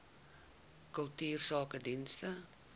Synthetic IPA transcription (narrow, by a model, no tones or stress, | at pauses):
kəlˠtyːrsɑːkədinstə